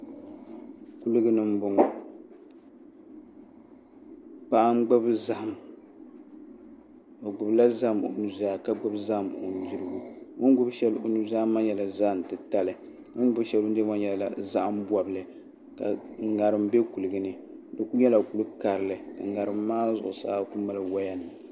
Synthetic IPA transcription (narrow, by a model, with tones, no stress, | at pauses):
ku˦lɨ˦ɡɨ˦nɨ˦m̩˦bʊ˨ŋɔ˨ | pa˦ʔa˦mɡ͡bʊ˦bza˦ʔa˨m | o˨ɡ͡bʊ˨bla˦za˦˨mo̰˨nu˨zaː˦˨ka˦ɡ͡bɨ˦bza˦hm˨o̰˨n̩˨di˦ɾɨ˦ɡu˨ŋʊ˦n˦ɡʊ˦bʃɛ˦lo˨nu˨˦za˦ma˦ɲɛ˨la˨za˦ʔn˨tɨ˨ta˦lɨ˨ | ŋo˦n˦ɡʊ˦ʃɛ˦lo˦n˦dɨ˦ma˦ɲɛ˨la̰˨za˦ʔa˦mbwa˨bɨ˨lɨ˨ | ka̰˨ŋ̩˨ŋa˨ɾɨ˨mbe˦ku˨lɨ˨ɡɨ˨nɨ˦ | dɨ˨ku˦ɲɛ˦la˨ku˨lɨ˦ka˨ɾɨ˨lɨ˨ka̰˨ɡa˨ɾɨ˨mː˦aː˦zʊ˨ʔʊ˨sa̰ː˦˨ku˦ma˦lɨ˨wa˦ja˦nɨ˨